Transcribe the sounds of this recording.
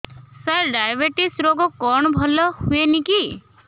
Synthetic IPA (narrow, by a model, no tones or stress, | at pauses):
səɾɖajbeʈisɾoɡɔkɔɳ̃ɔbʱɔlɔhueniki